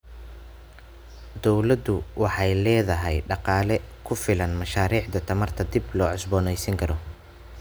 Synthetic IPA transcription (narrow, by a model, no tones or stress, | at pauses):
d̪ɔwlɐd̪ʊwʔɑħɑjlɛːðɐɦɛjɖɑqɑːlɛkʰʊfɪlɐnmɐʃaːɾiːʕd̪ɐt̪ʰɐmɐrt̪ʰɐd̪ɪblɔːʕɔsbɔːnɛjsɐŋkʰɐɾɔ